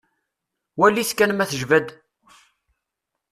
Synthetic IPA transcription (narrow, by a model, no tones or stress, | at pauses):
wælːiθkænmæθəʒvæd̪